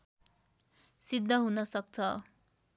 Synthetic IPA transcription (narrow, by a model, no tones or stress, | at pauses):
sid̪ʱːʌɦunʌsʌk̚t͡sʰʌ